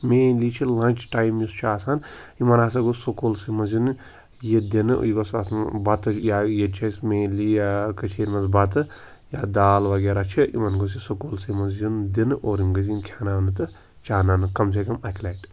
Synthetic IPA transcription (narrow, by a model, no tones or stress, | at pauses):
meːliːt͡ʃʰilɐnʲt͡ʃʰʈaːjmjust͡ʃʰuaːsaːn | imɐnaːsɐɡosokolsimɐzinɨ | jed̪inɨ̰jiɡosɐ̰sbɐt̪ɨjajet͡ʃʰɐsmeːlijakɐt͡ʃʰeːɾʲmɐzbɐt̪ɨ | jad̪aːlʋɐɡeːɾat͡ʃʰiḭmɐnɡos̬isokolsimɐzjund̪inɨʔoːɾimɡɐzinkʰaːnaʋɐnɨt̪ɨ | t͡ʃaːnanɨkɐms̬ekɐmɐkʰlʲaʈ